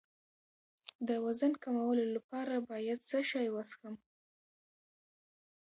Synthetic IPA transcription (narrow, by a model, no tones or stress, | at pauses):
d̪əwazankamawəlolapɑɾabɑjad̪səʃɑjwasxəm